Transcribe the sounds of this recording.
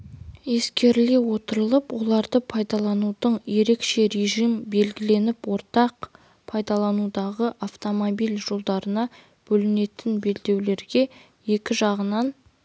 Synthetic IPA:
e̞skʲe̞ɾle̞wo̞t̪əɾəlˠəpwo̞lˠɑɾd̪əpʰɑjd̪ɑlˠɑnud̪əɴje̞ɾe̞kʃe̞ɾe̞ʒimbe̞lɡʲɪle̞nɪpwo̞ɾt̪ɑq | pʰɑjd̪ɑlˠɑnud̪ɑʁəʔaft̪omobijlʒo̞lˠd̪ɑɾənɑ | b̥ɵlɪne̞t̪ɪnbe̞ld̪e̞wle̞ɾɡʲe̞ | je̞kʲɪʒɑʁənɑn

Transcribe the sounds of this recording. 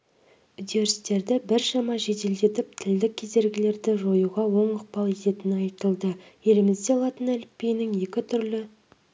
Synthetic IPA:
ʏd̪e̞ɾɪst̪e̞ɾd̪ɪbɪɾʃɑmɑʒe̞t̪eld̪e̞t̪ɪp̚t̪ʰɪld̪ɪkʲʰːe̞ze̞ɾɡʲɪle̞ɾd̪ɪʒo̞juʁɑwo̞ɴəq̚pɑlˠe̞t̪e̞t̪ɪnɪɑjt̪əlˠd̪əje̞lɪmɪzd̪e̞ɑlˠɑt̪ənælɪpe̞jnɪŋje̞kʲɪt̪ʰʏɾlɪ

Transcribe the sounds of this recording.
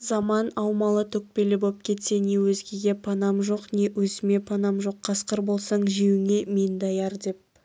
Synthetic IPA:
zɑmɑnɑwmɑlˠət̪ʰɵk̚pe̞lɪbop̚kʲʰe̞t̪se̞ne̞wɵzɡʲe̞ɡʲe̞pʰɑnɑmʒo̞qne̞wɵzɪme̞pʰɑnɑmʒo̞qʰːɑsqəɾbo̞lˠsɑɴʒiwɪŋʲe̞mend̪ɑjɑɾd̪e̞p̚

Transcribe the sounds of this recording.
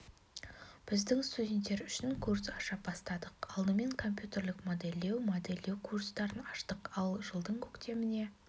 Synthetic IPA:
b̥ɪzd̪ɪŋst̪udʲe̞nt̪ːe̞ɾʏʃɪŋkʰursɑʃɑp̚bɑst̪ɑd̪əqɑlˠd̪əme̞ŋkʰo̞mp̬ʲjut̪ʲe̞rlɪkmod̪elʲːe̞wmod̪elʲːe̞wkʰurst̪ɑɾənɑʃt̪əqɑlˠʒəlˠd̪əɴkʲʰɵkt̪e̞mɪne̞

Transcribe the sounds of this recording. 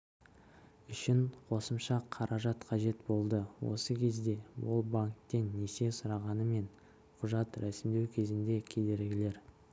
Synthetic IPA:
ʏʃɪɴqʰo̞səmʃɑqʰɑɾʔɑʒɑt̪qʰɑʒe̞t̪bo̞lˠd̪əwo̰səkʲʰe̞zd̪e̞bʊ̰lˠbaŋkt̪ːe̞nːese̞sʊɾɑʁɑnəme̞ɴ | qʰʊʒɑt̪ɾæsɪmd̪e̞wkʲʰe̞zɪnd̪e̞kʲʰe̞d̪e̞ɾɡʲɪle̞ɾ

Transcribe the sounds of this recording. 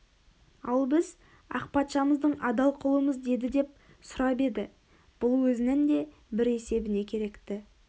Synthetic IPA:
ɑlˠbɪz | ɑ̰q̚pɑt̪ʃɑməzd̪əɴɑd̪ɑlˠqʰʊlˠəməzd̪e̞d̪ɪd̪e̞p̚ | sʊɾɑbe̞d̪ɪ | b̥ʊlˠwɵzɪnɪnd̪e̞ | bɪɾe̞se̞bɪne̞kʲʰe̞ɾe̞kt̪ɪ

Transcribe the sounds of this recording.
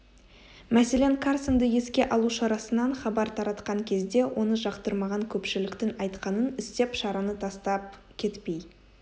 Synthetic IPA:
mæse̞leŋkʰaɾsənd̪əje̞skʲe̞ʔɑlˠuʃɑɾɑsənɑɴχɑbɑɾt̪ʰɑɾɑt̪qɑŋkʲʰe̞zd̪e̞wʔo̞nəʒɑqt̪əɾmɑʁɑŋkʲʰɵpʃɪlɪkt̪ɪŋɑjt̪qɑnənɪst̪e̞pʃɑɾɑnət̪ʰɑst̪ɑp̚ | kʲʰe̞t̪pe̞j

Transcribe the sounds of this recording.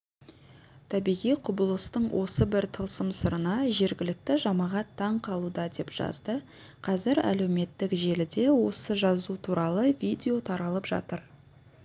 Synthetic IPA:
t̪ʰɑbijʁijqʰʊbəlˠəst̪əɴwʔo̞səbɪɾt̪ʰəlˠsəmsəɾənɑʒe̞ɾɡʲɪlɪk̚t̪ɪʒɑmɑʁɑt̪ʰːɑɴqʰɑlˠud̪ɑd̪e̞pʒ̥ɑ̰zd̪ə | qʰɑzɪɾæ̰le̞wme̞t̪ːɪkʒe̞lɪd̪e̞wo̞səʒɑzut̪ʰuɾɑlˠəvʲid̪ʲe̞o̞t̪ʰɑɾɑlˠəpʒ̥ɑ̰t̪əɾ

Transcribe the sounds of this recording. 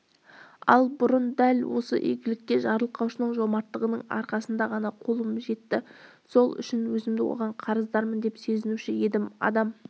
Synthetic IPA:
ɑ̰lˠbʊɾənd̪ælwo̞sə̰ʔḛɡʲɪlɪk̚k̪ʲe̞ʒɑɾəlˠəqɑwʃənəɴʒo̞mɑɾt̪ːəʁənəɴɑ̰ɾqɑsənd̪ɑʁɑnɑqʰolˠəmʒe̞t̪ːɪ | so̞lˠʏ̰ʃɪnwɵzɪmd̪ɪwo̰ʁɑɴqʰɑɾəzd̪ɑɾmənd̪e̞psɵzɪnuʃɪje̞d̪ɪmɑ̰d̪ɑm

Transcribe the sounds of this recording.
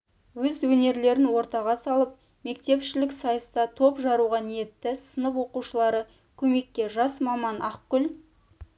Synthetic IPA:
wɵzwɵne̞ɾle̞ɾɪnwo̞ɾt̪ɑʁɑsɑlˠəp̚ | me̞kt̪e̞pʃɪlɪksɑjəst̪ɑt̪ʰo̞pʒɑɾuʁɑnije̞t̪ːɪsənəpwo̞quʃəlˠɑɾə | kʲʰɵme̞kʲːe̞ʒɑsmɑmɑnʔɑqkʲʏl

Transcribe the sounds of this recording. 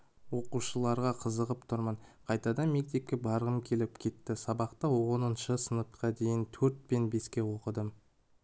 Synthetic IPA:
wo̞quʃəlˠɑɾʁɑqʰəzəʁəp̚t̪ʰʊɾməɴqʰɑjt̪ɑd̪ɑme̞k̚t̪e̞k̚kʲːe̞bɑɾʁəmkʲʰe̞lɪpkʲʰe̞t̪ːɪsɑbɑqt̪əwonənʃəsənət̪qɑd̪e̞jɪnt̪ʰɵɾt̪̚be̞nbe̞skʲe̞wo̞qəd̪əm

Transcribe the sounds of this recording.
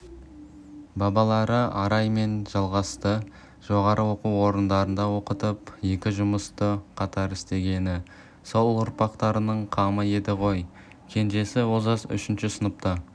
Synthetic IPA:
bɑbɑlˠɑɾəɑɾɑjme̞nʒɑlˠʁɑst̪ə | ʒ̥o̞ʁɑɾʔəwo̞quwo̞ɾənd̪ɑɾənd̪ɑwo̞qət̪əpje̞kʲɪʒʊməst̪əqʰɑt̪ɑɾɪst̪e̞ɡʲe̞nɪ | so̞lˠʊɾpɑqt̪ɑɾənəɴqʰɑməe̞d̪ɪʁo̞j | kʲʰe̞nʒe̞sɪwo̞zɑsʏ̰ʃɪnʃɪsənəp̚t̪ə

